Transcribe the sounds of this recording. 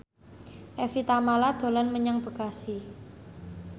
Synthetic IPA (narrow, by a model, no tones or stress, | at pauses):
ʔɛfit̪amalad̪̥o̤lanməɲaŋb̥ə̤ɡ̥asi